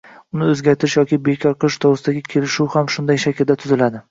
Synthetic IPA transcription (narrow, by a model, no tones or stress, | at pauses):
ʊnɪɵzɡʲaɾt̪ʰɪʃjɒkʲɪbekʲʰɒɾqʰɨlˠɪʃt̪ʰowɾɨsɪd̪aɡʲɪkʲʰe̞lɪʃuwhamʃʊnd̪ajʃakʲʰɪld̪at̪ʰʊzɪlad̪ɪ